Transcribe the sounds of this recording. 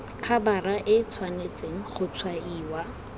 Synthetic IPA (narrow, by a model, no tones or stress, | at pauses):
kʰabaraʔɪt͡sʰwanet͡sʼeŋ̩χʊt͡sʰwaiːwa